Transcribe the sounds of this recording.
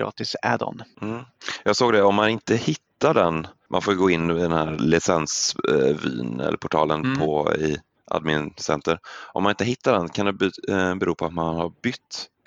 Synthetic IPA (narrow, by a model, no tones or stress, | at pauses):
ɾɑ̰ːt̪ɪsɛd̪ɔ̰nm̩jɑːɡsoːɡd̪ɛɔmːanɪnt̪əhɪt̪ːaɖɛnmʔa̰nfoːjɡoːɪnːɪd̪ɛnhæːɾlɪsɛnsvḭːnɛ̰lːə̰ɾpʰʊʈʰɑːlənpʰɔɪ | ʔa̰d̪mɪnsɛ̰nt̪ʰəɾʔɔmanɪnt̪əɦɪt̪ːaɖɛnkʰand̪ɛbbɛɾuːpʰɔat̪manhaɾbʏt̪ː